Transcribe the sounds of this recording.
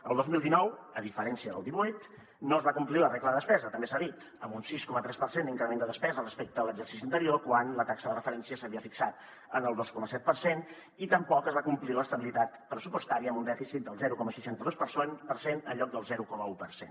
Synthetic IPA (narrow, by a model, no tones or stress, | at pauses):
əlˠd̪ozmilˠd̪inɔwəðifəɾɛnsiəðə̰lˠd̪iβujt̪ | noəzβakumplilərekləðəðəspɛzət̪əmbesaðit̪ | əmbunsiskɔmət̪ɾɛspəɾsend̪iŋkɾəmend̪əðəspɛzərəspek̚t̪əələɡzərsi̥sint̪əɾiokwanlət̪aksəðərəfəɾɛnsiəsəβiəfiksat̪̚ | ənəlˠd̪oskɔməsɛt̪̚pəɾsen | it̪əmpɔkəzβakumpliləst̪əβilit̪at̪pɾəsupust̪aɾiəmund̪ɛfisit̪̚d̪əlˠzɛɾukɔməsəʃant̪əðospəɾsonpəɾsenə̰ʎɔk̚d̪əlˠzɛɾukɔməupərsḛn